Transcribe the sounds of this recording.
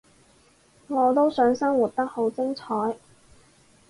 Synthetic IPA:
ŋɔː˨˧t̪̬o˥wsœː˨˥ŋsɐ˥ŋwu˨t̚t̪ɐ˥k̚ho˨˥wt͡sɪ˥ŋt͡sʰɔː˨˥j

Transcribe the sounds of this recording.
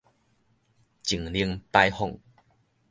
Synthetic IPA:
t͡ɕi˨˩˨ŋli˧ə˧ŋpa˧jhɔ˥˨ŋ

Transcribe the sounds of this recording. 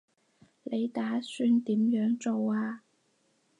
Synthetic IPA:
le˨˧jt̪aː˨˥syː˧nt̪iː˨˥mjœː˨˥ŋt͡so˨waː˧

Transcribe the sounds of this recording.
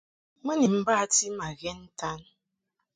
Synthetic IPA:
mɨ˦ni˨m̩˦ba˦a˨ti˦ma˨ɣe˦n̩˦ta˦n

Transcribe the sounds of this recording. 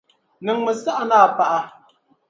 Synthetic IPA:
nɨ˨ŋmɨ˨sa˦ʔa˨naː˦˨pa˦ʔa˦

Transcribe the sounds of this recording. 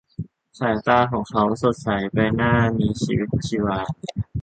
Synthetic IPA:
sʰaː˨˩˦jt̪aː˧kʰɔː˩˦ŋkʰa˦˥wso˨˩t̪̚sa˨˦jpa˧jnaː˥˩miː˧˥˩t͡ɕʰiː˧wi˦˥t̪̚t͡ɕʰi˧waː˧t̪̚

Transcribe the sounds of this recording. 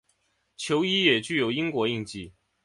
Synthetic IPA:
t͡ɕʰjo˧˥ʊi˥jɛ˨˩t͡ɕy˥˩jo˧˥ʊi˥ŋkwɔ˧˥i˥˧ŋt͡ɕi˥˩

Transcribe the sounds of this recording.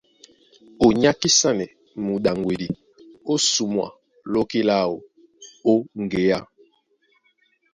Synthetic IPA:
o˨ɲa˦ki˦sa˦nɛ˨ | mu˨ɗa˨ŋɡwe˨di˨ | o˦su˨mwa̰˨ | lo˦ki˦la˦˨o˨ | o˦ŋ˨ɡe˨ja˦

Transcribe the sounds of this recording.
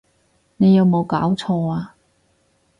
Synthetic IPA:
ne˨˧jɐ˨˧wmo˨˧wkaː˨˥wt͡sʰɔː˧aː˧

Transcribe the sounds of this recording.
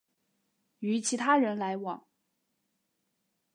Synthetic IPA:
y˧˥t͡ɕʰi˧˥t̪ʰa˥ɻə˧˥nla˧˥ɪwɑ˨˩˦ŋ

